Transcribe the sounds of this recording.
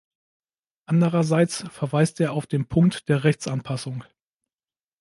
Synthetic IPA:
ʔandəʁɐzaɪt͡sfɛɐvaɪstʔeːɐaʊfd̥eːnpʰʊŋk̚td̥eːɐʁɛçt͡sʔanpʰasʊŋ

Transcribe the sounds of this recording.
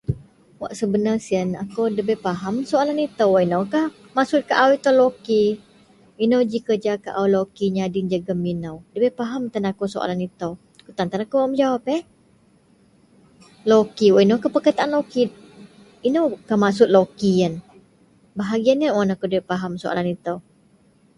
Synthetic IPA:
wa̰ʔsəbənarsiənakowdəbɛpaɦamsoalanit̪əwaʔinowkah | maʔsʊt̪̚kaʔawit̪olokiː | nowd͡ʒikərd͡ʒakaʔawlokiɲadind͡ʒəɡəminəwdəbɛpaɦamt̪anakosoa̰lanit̪əw | kut̪ant̪anakowamd͡ʒawapɛ | lokiwainowkəhpəkət̪aʔanloki | inəwkahmaʔsʊt̪̚lokiən | baɦaɡianiənwanakowdəbepaɦamsoʔa̰lanit̪əw

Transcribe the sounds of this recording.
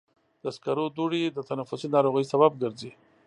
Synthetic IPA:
d̪əskaɾod̪uɽid̪ət̪anafʊsinɑɾoɣəjsaβab̚ɡəɾzi

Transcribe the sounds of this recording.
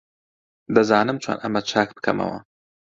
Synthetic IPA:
d̪ɐzaːnɨmt͡ʃʰwa̰nʔɐmɐt͡ʃʰaːk̚bɨ̥kʰɐmɐ̰wɐ̰

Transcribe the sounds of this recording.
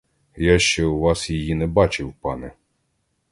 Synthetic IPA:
jaʃt͡ʃɛwʋasjɐjinɛbat͡ʃɪwpanɛ

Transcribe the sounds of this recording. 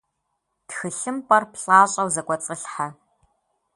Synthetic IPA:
txɨɬɨmpʼɐrpɬʼaːɕʼɐwzɐkʷʼɔt͡sʼəɬħa

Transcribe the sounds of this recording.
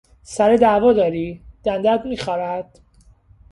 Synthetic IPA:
sæɾed̪æːvɒːd̪ɒːɾiːd̪̥ænd̪æd̪miːxɒːɾæd̪̥

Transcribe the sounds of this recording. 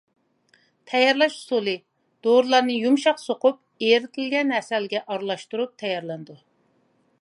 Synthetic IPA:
t̪ʰɛjɑɾlˠɑʃu̥sulˠɨ | d̪̥oɾlˠɑɾnɨjumʃɑqsoqʊp̚eɾɪt̪ʰɪlɡʲɛnɦɛsɛlɡʲɛʔɑɾlˠɑʃt̪uɾup̚t̪ʰɛjɑɾlˠɛnd̪u

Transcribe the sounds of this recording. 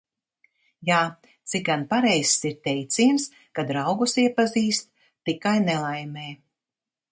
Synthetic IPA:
jaː | t̪sik̚ɡanpaɾɛjssiɾt̪ʲɛjt̪siːms | kad̪ɾawɡusiɛpaziːst̪ː | ikajnɛlˠajmɛː

